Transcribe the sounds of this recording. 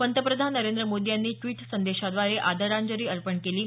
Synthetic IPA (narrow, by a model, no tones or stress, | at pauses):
pənt̪əpɾəd̪ʱanːəɾend̪ɾəmod̪ijanːiːʈʋiːʈsənd̪eɕad̪ʋaɾeʔad̪ʱəɾaɲd͡ʑəɾiːəɾpəɳkeliː